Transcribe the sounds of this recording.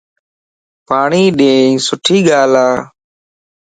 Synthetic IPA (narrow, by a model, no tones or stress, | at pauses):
paːɳiːɗẽːsʊʈʰiːɠaːlaː